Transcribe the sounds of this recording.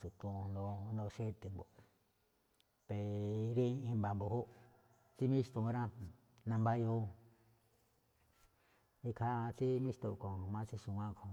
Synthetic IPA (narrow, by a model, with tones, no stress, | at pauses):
t͡ʃu˨t̪ũ˧no˧nõ˧ʃe˦˧t̪e˨mbo˨ | pe˨ɾĩ˦˧ĩ˧mba˨mbo˧hu˦ | t͡si˦mĩ˦t̪ũ˧ɾã˦ | nã˧mba˦jo˧˦ | i˦˧kʰa˦˧t͡si˦mĩ˦st̪o˧˨kõ˨mã˧˦˧t͡si˦ʃũ˧wʷã˦kʰõ˧˨